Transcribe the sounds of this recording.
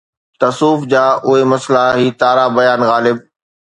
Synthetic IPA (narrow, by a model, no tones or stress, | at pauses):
t̪ɐsuːfd͡ʑaːʔʊɦemɐslaɦiːt̪aːɾabɐjaːnɣaːlɪb̚